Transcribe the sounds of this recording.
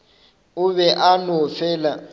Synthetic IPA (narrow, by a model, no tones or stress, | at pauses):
uβɛʔanɔfɛːla